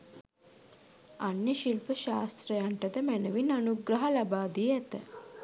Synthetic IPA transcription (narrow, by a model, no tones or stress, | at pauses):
anjəʃilpəʃaːst̪ɾəjaɳʈət̪əmænəʋinanuɡɾəɦɐlabaːd̪iəæt̪ə